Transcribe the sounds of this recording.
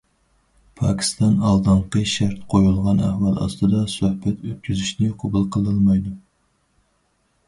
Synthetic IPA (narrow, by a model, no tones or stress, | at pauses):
pʰɑkʲʰi̥st̪ɑnɑlˠd̪ɨɴqəʃæɾt̪qʰojulˠʁɑnæ̰hwɑlˠɑ̰st̪ɨd̪ɑsøhbɛt̪øt̪̚kʲʰyzyʃnɪqʰobulˠqʰəlˠɨlˠmɑjd̪u